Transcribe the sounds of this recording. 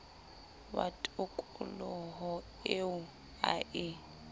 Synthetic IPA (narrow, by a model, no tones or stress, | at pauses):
ba̰tʼʊkʼʊlɔɦɔ | eʊ | a̰ʔɪ